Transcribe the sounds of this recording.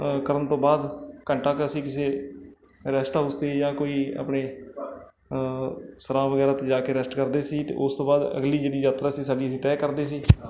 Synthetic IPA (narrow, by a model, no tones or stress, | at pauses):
kəɾənt̪õːbaːd̪kəɳʈaːkəsĩːkɪseː | ɾɛːsʈaːɦʊst̪ejãːkoːiːa̰ːpɳeː | səɾãːʋəɡɛːɾaːt̪ed͡ʒaːkeːɾɛsʈkəɾd̪eːsiːt̪ḛːʔʊst̪õːbaːd̪ə̰ɡliːd͡ʒeːɽiːd͡ʒaːt̪ɾaːsĩːsaːɖiːəsĩːt̪ɛːkəɾd̪eːs̬iː